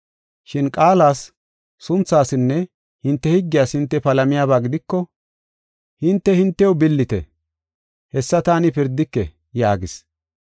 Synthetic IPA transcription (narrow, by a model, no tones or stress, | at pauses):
ʃɪnkʼaːlaːsː | ʊnt͡sːaːsɪnːɛ | hɪnt̪ːɛhɪɡːɪjaːshɪnt̪ːɛpɐlɐmɪjaːbaːɡɪd̪ɪkːɔ | hɪnt̪ːɛhɪnt̪ːɛɔwbɪlːɪt̪ɛ̰ | hɛsːɐt̪aːnɪpɪɾd̪ɪkːɛ | jaːɡɪs